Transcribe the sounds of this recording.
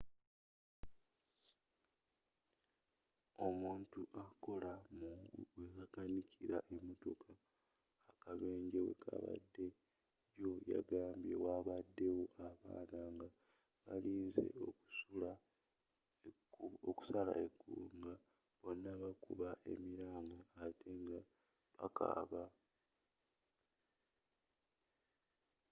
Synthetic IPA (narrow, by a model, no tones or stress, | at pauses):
o̞muːntuʔako̞lamuwekakanicʰiɾaʔe̞moto̞kʰaː | kaβe̞ːɲɟewe̞̰kʰa̰βa̰dːe̞ | jo̞ja̰ɡaːmbjewaβadːe̞woʔaβa̰ːnaŋɡa | βaliːnze̞̰oku̥sula | oku̥sala̰ʔekːuːŋɡa | βo̞nːaβakuβaʔe̞̰miɾaːmɡoatʰe̞ŋɡa | βaka̰βa